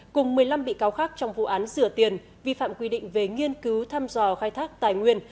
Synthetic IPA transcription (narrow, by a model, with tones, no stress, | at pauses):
kʊ˨˩ŋ͡mmɨ˨˩əjla˧mɓḭ˧˨kaː˨˦wxaː˦˥k̚t͡ɕɔ˧wŋ͡mvṵ˧˨ʔaː˨˦nzɨ˧˩ət̪i˨˩ən | vi˧fa̰ː˧˨mkwi˧ɗḭ˧˨ŋ̟ve˨˩ŋi˧ənkɨ˨˦wt̪ʰaː˧mzɔ˧˩xaː˧jt̪ʰaː˦˥k̚t̪aː˧˩jŋwi˧ən